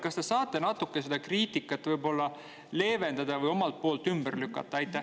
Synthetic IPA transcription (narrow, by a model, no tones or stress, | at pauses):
kɑst̪e̞sɑːt̪ːˑe̞nɑt̪ːˑukːesed̪̥ɑkriːt̪ikːˑɑt̪ːˑvɯjbo̞lːɑ | le̞ːve̞nd̪̥ɑd̪ɑvɯjo̞mɑlt̪̚po̞ːlt̪ːˑymb̥erlykːˑɑ̰t̪ːˑɑɑjt̪ːˑæ